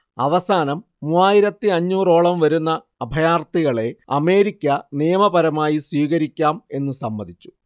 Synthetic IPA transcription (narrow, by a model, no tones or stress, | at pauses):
ɐʋɐsaːnɐmːuːaːjiɾɐt̪ːiɐɲːuːro̞ːɭɐmʋɐɾunːɐːbʱɐjaːrt̪iɣɐɭe̞ɐ̰me̞ːɾikʲːɐnijɐmɐpɐɾɐmaːjiswiːɣɐɾikʲːaːme̞nːɨsɐmːɐd̪ʱit͡ɕːu̥